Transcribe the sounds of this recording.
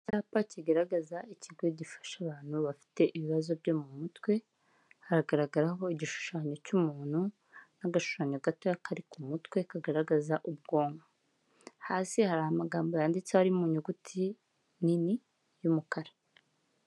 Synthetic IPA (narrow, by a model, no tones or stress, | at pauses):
caːpaciɡaɾaɡazaiciɡo̞ɟifḁʃaβaːn̥huβafi̥te̞ʔiβiβazo̞bɟo̞mumutwe̞ | haɾaɡaɾaɡaɾaɦo̞iɟiʃu̥ʃaːɲo̞cumuːn̥hu | naɡaʃu̥ʃaːɲoɡatojakʰaɾikumutwe̞kaɡaɾaɡazaʔub̚ɡo̞ːŋɡa | haːsihaɾahamaɡaːmbo̞jaːndit͡sehaɾimuɲuɡutʰi | nini | jumukaɾa